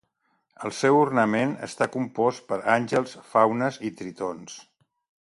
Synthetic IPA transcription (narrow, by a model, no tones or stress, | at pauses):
əlˠsɛwurnəmenə̰st̪akumpɔst̪̚pəɾanʲʒəlˠsfawnəzit̪ɾit̪ons